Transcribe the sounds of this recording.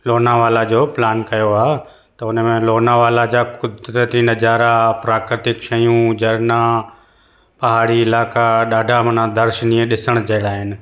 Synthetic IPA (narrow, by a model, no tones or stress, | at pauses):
loːnaʋaːlad͡ʑoːplaːnkɐjoaːɦ | t̪ɐʊnəmẽloːnaʋaːlad͡ʑaːkʊd̪ɾət̪inɐd͡ʑaːɾapɾaːkɾət̪ɪkʃɐjũd͡ʑɐɾna | pɐɦaːɽiɪlaːkaɗaːɖʱamɐnãd̪ɐɾʃəniẽɗɪsəɽ̃d͡ʑɐɪɽaːɦɪnɪ̆